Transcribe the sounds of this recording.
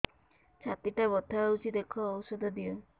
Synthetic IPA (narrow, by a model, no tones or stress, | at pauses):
t͡ʃʰat̪iʈabɔt̪ʰaaut͡ʃʰid̪ekʰɔːwsɔd̪ʱɔd̪iɔ